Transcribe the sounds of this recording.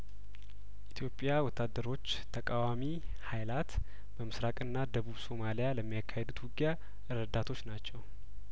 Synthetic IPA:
ʔʔit̪ʰjo̞pʼjawɔt̪ʰːad̪ːəɾo̞t͡ʃːt̪ʰəkʼawamihajlat̪ | bəmɨsɾakʼɨnːad̪əβuβso̞malijaləmːijakʰːahed̪ut̪wʊɡja | ʔɨɾəd̪at̪ʰo̞t͡ʃːnat͡ʃːɛw

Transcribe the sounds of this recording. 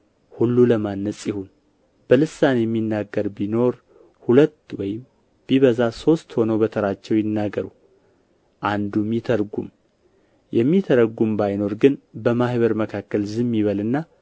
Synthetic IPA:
hulːuləmanːəsʼjɪhun | b̥əlɨsːanjɛmːinːaɡəɾbino̞ɾ | hulət̪ːwɔjɪm | b̥iβəzaso̞st̪ho̞nəwbət̪ʰəɾat͡ʃːɛwjɪnːaɡːəɾṵ | ʔand̪umjɪt̪ʰəɾɡṵm | jɛmːit̪ʰəɾəɡumbajno̞ɾɡɨnbəmahβəɾməkʰakːəlzɨmːiβəlɨnːa

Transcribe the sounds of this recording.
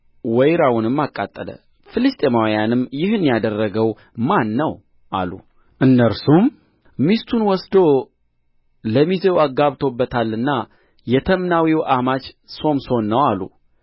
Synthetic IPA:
wɛjɾawunɨmːakʼːat̪ʼːələ̰ | fɨlɨst̪ʼemawjanɨmjɪɦɨnːijad̪ərːəɡəw | manːəw | ʔa̰lːṵ | ʔɨnːəɾsum | mist̪ʰunwɔsd̪o̞ | ləmizewaɡaβt̪ʰo̞bːət̪ʰalːɨnːa | jɛt̪ʰəmnawiwʔamat͡ʃ | so̞mso̞nːəwalːṵ

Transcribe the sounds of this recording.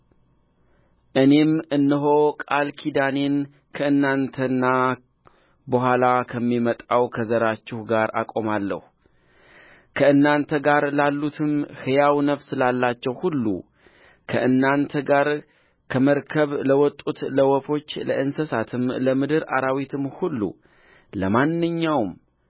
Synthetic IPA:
ʔɨne̞mɨnːɨɦo̞kʼalkʰid̪ane̞n | kʰəɨnːant̪ʰənːa | bəɦʷalakʰəmːimət̪ʼawkʰəzəɾat͡ʃːɪhɡaɾa̰kʼo̞malːə̰hu | kʰəɨnːant̪ʰəɡaɾlalːut̪ʰɨmhɨjawnəfslalːat͡ʃːɛwhulːṵ | kʰəʔɨnːant̪ʰəɡaɾ | kʰəməɾkʰəβləwɔt̪ʼːut̪ləwɔfo̞t͡ʃːləʔɨnsəsat̪ʰɨmləmɨd̪ɨɾa̰ɾawit̪ʰɨmhulːṵ | ləmanːɨɲːawm

